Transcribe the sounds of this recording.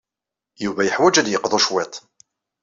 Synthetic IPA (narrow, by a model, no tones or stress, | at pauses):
juvæjəħwæd͡ʒæd̪jəqːðˤoʃwet̪ˤ